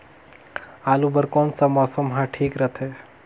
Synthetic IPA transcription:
aːlubəɾkoːnsamɔːsəmɦãʈʰiːkɾət̪ʰeː

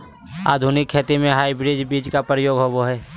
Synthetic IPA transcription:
a̰ːd̪ʱunɪkʰːeːt̪imẽɦaːibɾɪd͡ʒbiːd͡ʒkapɾəjoːɡɦoboɦɛː

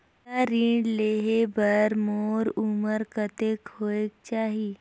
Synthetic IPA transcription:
aɾiːɖleɦebəɾmoɾuməɾkət̪ekoek̚t͡ʃaːɦi

